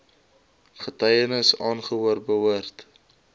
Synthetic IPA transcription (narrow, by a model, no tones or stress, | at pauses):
χətɐjənəsɑːnχəɦuərbəwərt